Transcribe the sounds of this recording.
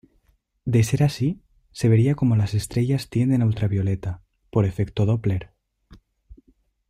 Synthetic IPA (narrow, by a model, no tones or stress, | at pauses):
d̪ese̞ɾasi | se̞β̞e̞ɾiako̞mo̞lase̞st̪ɾejʝast̪je̞nd̪e̞nault̪ɾaβjo̞let̪a | po̞ɾe̞fe̞kt̪oð̞o̞pleɾ